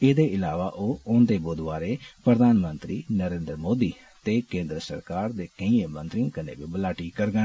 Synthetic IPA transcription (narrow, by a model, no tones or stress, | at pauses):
eːd̪eːɪlaːʋaːʔoːʊnd̪eːboːd̪ʋaːɾeːpɾəd̪ʱaːnmə̃nt̪ɾiːnəɾẽːnd̪ɾəmoːd̪iː | t̪eːkẽːnd̪ɾəsə̰ɾkaːɾd̪eːkə̃ĩẽːmə̃nt̪ɾĩkənḛːbiːbəlaːʈiːkəɾɡə̃